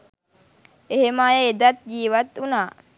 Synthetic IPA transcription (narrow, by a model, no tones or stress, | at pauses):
eɦemaːjeed̪at̪̚d͡ʒiːʋat̪unaː